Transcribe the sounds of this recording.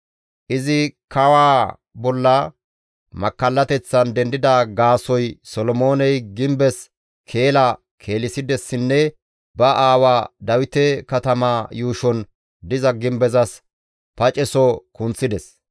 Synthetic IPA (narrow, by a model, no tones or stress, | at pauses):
ʔɪzɪkʰɐwaː | bɔlːɐ | mɐkːɐlːɐt̪ɛt͡sːɐnd̪ɛnd̪ɪd̪ɐɡaːsɔjsɔlɔmoːnɛjɡɪmbɛs | kʰe̞ːlɐ | kʰe̞ːlɪsɪd̪ɛsːɪnːɛ | bɐʔaːwaːd̪ɐwɪt̪ɛkɐt̪ɐmaːjuːʃɔn | d̪ɪzɐɡɪmbɛzɐs | pɐt͡ʃʼɛsɔkʊnt͡sːɪd̪ɛs